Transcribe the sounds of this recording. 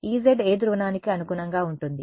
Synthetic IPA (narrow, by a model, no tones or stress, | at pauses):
iːzeɖeːd̪uɾʋɐnaːnikiɐnukunɐŋɡaːuɳʈund̪i